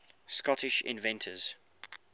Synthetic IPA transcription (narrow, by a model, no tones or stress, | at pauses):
skɒtɪʃɪ̰̃nvɛ̃ntʰəz̥